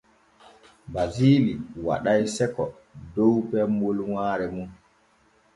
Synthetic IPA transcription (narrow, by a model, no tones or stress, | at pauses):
baziːliwa̰ɗajsɛkɔ | dɔwpɛmolwaːɾɛmun